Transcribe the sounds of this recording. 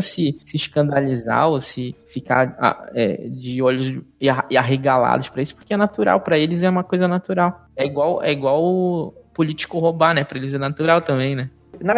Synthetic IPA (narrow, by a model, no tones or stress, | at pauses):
sɪsɪʃkɐ̃nd̪aliza̰osɪfika̰a̰ɛ̰d͡ʒɪɔʎʊzaaɦeɡala̰d̪ʊʃpɾɐisʊ̥pʊ̥ɾkeɛnat̪uɾa̰wpɾɐelɪzɛũmɐkojzɐnat̪uɾaw | ɛiɡwawɛ̰iɡwawʊpolit͡ʃi̥kʊɦobanɛpɾɐelɪzɛnat̪uɾawt̪ɐ̃mbẽj̃nɛ | nav